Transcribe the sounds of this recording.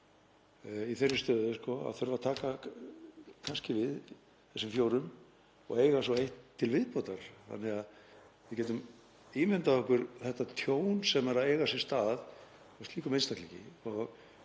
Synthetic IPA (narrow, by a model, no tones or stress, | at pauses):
iθɛrːɪɾst̪œːðʏskɔa̰ðθœɾvat̪ʰaːka | kʰanscɪvɪð | θɛsːɪmfjoːwɾʏm | ɔ̰ɣeːjɣasɔejht̪ʰːɪlvɪðpoːt̪aɾ̥θa̰nːɛɣað | vɪðcɛːt̪ʏm | iːmɪnt̪aɔhkʏɾθɛht̪ːat̪ʰjoːwnsɛmɛɾaðeːjɣasɪ̥st̪aːð | ɔst̪liːkʏmejnst̪ahklicɪ̰ɔɣ